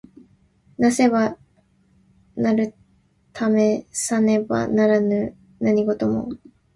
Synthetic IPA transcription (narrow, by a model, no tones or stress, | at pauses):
nase̞βa | naɾɯ̟ | t̪ʰame̞sane̞ba̰naɾanɯ | naɲ̟iɡo̞t̪o̞mo̞̰